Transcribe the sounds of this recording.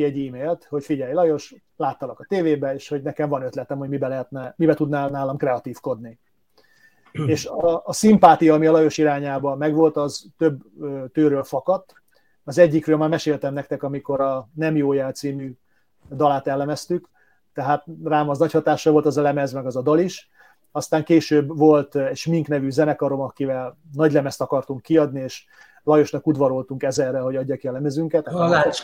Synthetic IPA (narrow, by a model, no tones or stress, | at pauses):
iɛɟiːmeːlt̪ho̞cfiɟɛjlɒjo̞ʃ | laːt̪ːɒlɒkɒt̪eːveːbɛeːʃho̞ɟnɛkɛɱvɒnøt̪lɛt̪ɛmho̞ɟmibɛlɛɦɛt̪nɛmibɛt̪ud̪naːnaːlɒmkrɛɒt̪iːfko̞d̪ni | eːʃɒːsimpaːt̪ijɒːmiɒlɒjo̞ʃiɾaːɲaːbɒmɛɡʋo̞lt̪ɒzt̪øbøːt̪øːɾøːlfɒkɒt̪ː | ɒzɛɟːikrøːlmaːmɛʃeːlt̪ɛmnɛk̚t̪ɛkɒmiko̞ɾɒnɛmjoːjɛlt̪siːmyː | d̪ɒlaːt̪ɛlːɛmɛst̪yk | t̪ɛɦaːt̪̚raːmɒznɒchɒt̪aːʃːɒʋo̞lt̪ɒzɒlɛmɛzmɛɡɒzɒd̪ɒliʃ | ɒst̪aːŋkeːʃøːbvo̞lt̪ɛʃmiŋknɛvyzɛnɛkɒɾo̞mɒkivɛlnɒɟlɛmɛst̪ɒkɒrt̪uŋkːiɒd̪nieːʃ | lɒjo̞ʃnɒkud̪ʋɒɾo̞lt̪uŋkɛzɛrːɛɦo̞ɟɒɟːɒkiɒlɛmɛzyŋkɛt̪ːa